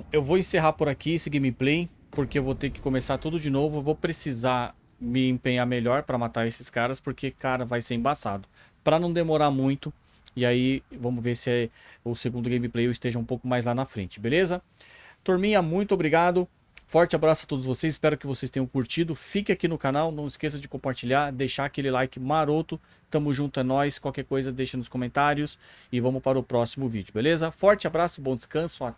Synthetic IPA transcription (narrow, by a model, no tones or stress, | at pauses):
ewvowẽseɦaɾpʊɾakiesɪɡẽjmĩplej | poɾkeewvot̪eɾkɪ̥kõmesaɾt̪ud̪ʊd͡ʒɪnovʊevowpɾesiza | mɪẽpẽɲaɾmeʎɔɾpɾɐmat̪aɾesɪskaɾɐspoɾkʰekaɾɐvajseɾẽbasa̰d̪ʊ | pɾɐnɐ̃w̃d̪emoɾaɾmũj̃t̪ʊ | ɪaivɐ̃mʊzveɾsɪɛ | ʊseɡũnd̪ʊɡẽj̃miplejewɪst̪eʒɐũpowkʊmajzlanɐfɾḛ̃nt͡ʃɪ̥belezɐ | t̪oɾmĩɲɐmũj̃t̪ʊobɾiɡad̪ʊ | fɔɾt͡ʃɪabɾasʊɐt̪od̪ʊzvosejsɪspɛɾʊkɪvosejst̪ẽɲ̃ɐ̃w̃kuɾt͡ʃid̪ʊfikɪ̃akinʊkanawnɐ̃w̃ɪskes̬ɐd͡ʒɪkõpaɾt͡ʃiʎaɾd̪ejʃaakelɪlajkɪmaɾot̪ʊ | st̪ɐ̃mʊzʒũnt̪ʊɐ̃nɔjskwawkɛɾkojzɐd̪ejʃɐ̃nʊskõmẽnt̪aɾjʊsɪvɐ̃mʊspaɾɐʊpɾɔsimʊvid͡ʒʊbelezɐfɔɾt͡ʃɪabɾasʊbõd̪ɪ̥skɐ̃sʊa